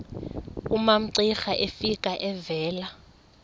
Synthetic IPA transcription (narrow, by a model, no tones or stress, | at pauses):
umam̩ǀixaʔefikʼaʔɛvɛːla